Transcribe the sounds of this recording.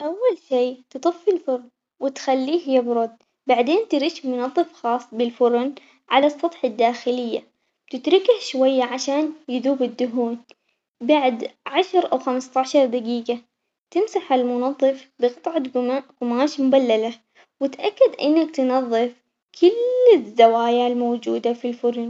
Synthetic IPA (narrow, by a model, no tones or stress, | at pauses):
ʔawːalʃiːt̪ɨt̪ˤɨfːɪlfʊɾˤn | wɪt̪xalːiːhɪjːabɾˤʊd̪ | baʕd̪eːnt̪ɪɾiːʃmʊnɑðˤːɨfxɑːsˤːbɪlfʊɾn | ʕalɑsˤːɑt̪ˤħad̪ːaːxɪlɪjːa | t̪ɪt̪ɾɪkahʃwajːaʕaʃaːnjɪðuːbɪd̪ːʊɦuːn | baʕd̪ʕaʃɑɾˤʔawxamst̪ˤɑʕʃɑɾˤd̪aɡiːɡa | t̪ɪmsaħɪlmʊnɑðˤːɨfbɪqɨt̪ˤʕɑɡʊmaːʃmʊbalːala | wɪt̪ʔakːad̪ʔɪ̰nːak̚t̪ɪnɑðˤːɨf | kʰʊlːɪzːawaːjalmowd͡ʒuːd̪afilfʊɾʊn